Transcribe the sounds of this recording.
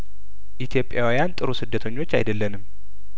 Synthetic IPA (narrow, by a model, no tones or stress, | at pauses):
ʔit̪ʰjo̞pʼjawijant̪ʼɨɾusɨd̪ːət̪ʰəɲːo̞t͡ʃːa̰jd̪əlːənɨm